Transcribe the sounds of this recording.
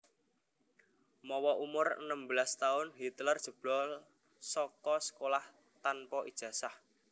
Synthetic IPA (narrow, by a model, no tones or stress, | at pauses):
mɔwɔʔumʊrə̰nəmbəlast̪aʊnɦit̪lərd̥ʒ̥ṳb̥lɔ | sɔkɔsə̥kolah | t̪anpɔʔid̥ʒ̥ä̤sah